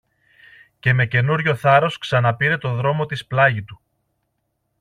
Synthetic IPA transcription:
ce̞me̞ce̞nuɾʝo̞θɐɾo̞sksɐnɐpiɾe̞t̪o̞ðɾo̞mo̞t̪isplɐʝit̪u

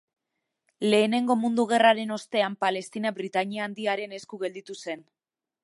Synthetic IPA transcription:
le̞ːne̞ŋɡo̞mund̪uɣ̞e̞raɾe̞no̞st̪e̞ampale̞st̪inabɾit̪aɲiaːnd̪iaɾe̞ne̞skuɣe̞ld̪it̪use̞n

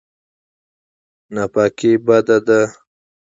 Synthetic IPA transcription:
napaːkibad̪ad̪a

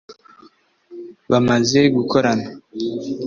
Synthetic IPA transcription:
βamaze̞ɡukʰo̞ɾana

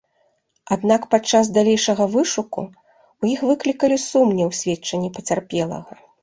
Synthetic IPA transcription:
ad̪nakpat͡ʂːazd̪alʲejʂɐɣɐvɨʂukṵ | wjixvɨklʲikɐlʲisumnʲiwsʲvʲɛt͡ʂɐnʲːipɐt͡sʲarpʲɛlˠɐ̰ɣɐ

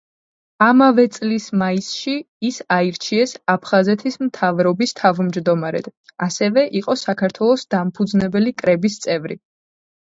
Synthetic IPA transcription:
amavɛt̪sʼlismaisʃiː | saiɾt͡ʃʰiɛsapʰχazɛt̪ʰismt̪ʰavɾɔbist̪ʰavmd͡ʒd̪ɔmaɾɛ̰d̪̥asɛvɛʔiqʼɔsakʰaɾt̪ʰwɛlˠɔsd̪ampʰud̪znɛbɛlikʼɾɛbist̪sʼɛvɾḭ

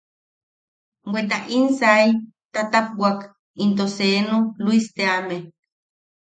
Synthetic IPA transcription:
wʷet̪̬aʔinsaj | t̪at̪ap̚wak | int̪oseːnoluist̪eame

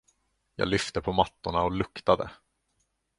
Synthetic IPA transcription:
jɑ̰ːɡlʏft̪əpʰɔmat̪ːʊɳaɔlɵkt̪ad̪ə̰

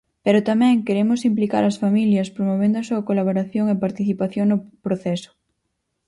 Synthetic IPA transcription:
peɾʊt̪amɛ̃ŋkeɾemʊsimplika̰ɾɐsfamiljɐspɾomoβend̪ʊɐsuɐkolaβ̞oɾaθjoŋepaɾt̪iθipaθjoŋnʊpɾoθɛsʊ̥

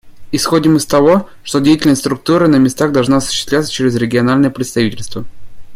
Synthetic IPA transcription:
ɪsxo̞dʲɪmɨst̪ɐvo̞ | ʂt̪odʲejɪtʲɪlʲnəsʲt̪ʲst̪ɾʊk̚t̪uɾənəmʲɪst̪aɣd̪ɐlˠʐnaɐsʊ̥ɕːɪ̥st̪lʲat̪sə̥t͡ɕeɾʲɪzɾʲɪɡʲɪɐnalʲnəjəpɾʲɪt̪st̪ɐvʲitʲɪlʲst̪və

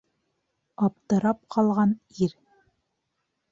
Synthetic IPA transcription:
ɑp̚t̪ɤ̆ɾɑp̚qʰɑlˠʁɑniɾ

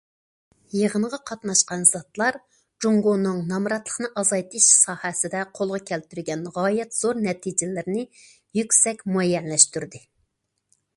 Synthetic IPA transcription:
jeʁənʁɑqʰɑt̪nɑʃqɑnz̥ɑt̪lˠɑɾ | d͡ʒuŋɡonːɨŋnɑmɾɑt̪lˠə̥χnɨʔɑzɑjt̪ʰɨʃsɑːhɛsɪd̪ɛqʰolˠʁɑkʲʰɛlt̪yɾɡʲɛnʁɑːjɛt̪z̥oɾnɛt̪ʰid͡ʒɪlɪɾɪnɪ | jykʲsɛkʲmuɛjːɛnlɛʃt̪yɾd̪ɪ

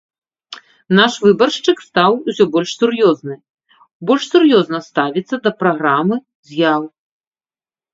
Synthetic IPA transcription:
naʂvɨbɐrʂt͡ʂɨkst̪awusʲɔbɔlʲʂsʲuɾjɔznɨ | bɔlʲʂsurjɔznɐst̪avʲit̪sːɐd̪ɐpɾaɣɾamɨ | zʲjaw

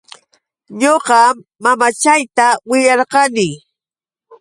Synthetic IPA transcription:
ɲoqɑmːamat͡ʃajt̪awɪʎɑɾqɑnɪ

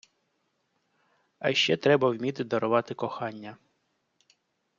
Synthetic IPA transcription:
ɐʃt͡ʃɛt̪ɾɛbɐwmʲit̪ɪd̪ɔɾɔʋɑt̪ɪkɔxɑnʲːɐ

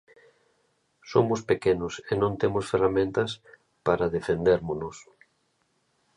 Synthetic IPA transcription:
somʊspekenʊsenõnt̪emʊsferamẽnt̪ɐs | paɾɐðefend̪eɾmonos

